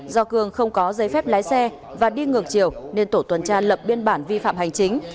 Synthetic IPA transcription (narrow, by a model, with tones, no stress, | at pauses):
zɔ˧kɨ˧˩əŋxə˧wŋ͡mkɔ˨˦zə˨˦jfɛ˦˥p̚laː˨˦jsɛ˧ | vaː˨˩ɗi˧ŋɨ˨˩əŋ̚t͡ɕi˨˩əwne˧nt̪o˧˩t̪wə˨˩nt͡ɕaː˧lə˨˩p̚ɓi˧ənɓaː˧˩nvi˧fa̰ː˧˨mha˨˩jŋ̟t͡ɕï˨˦ŋ̟